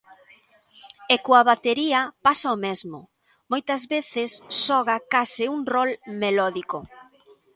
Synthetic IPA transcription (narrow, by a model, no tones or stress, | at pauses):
ekoaβat̪eɾiɐpasaomezmʊ | mojt̪ɐzβeθɪsːɔɣakasɪuŋrɔlmelɔðiko